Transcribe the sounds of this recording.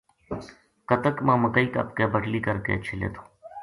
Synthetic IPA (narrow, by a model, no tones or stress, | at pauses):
kət̪əkmãːməkəiːkɐ̰p̚kebəʈliːkəɾkḛːt͡ʃʰɪlḛːt̪ʰo̥ː